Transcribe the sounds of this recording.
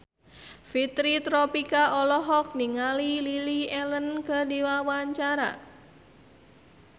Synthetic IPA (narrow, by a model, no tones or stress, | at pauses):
fit̪ɾit̪ɾɔpikaʔɔlɔɦɔk̚niŋalililiɛlənkədiwawaɲt͡ʃaɾa̰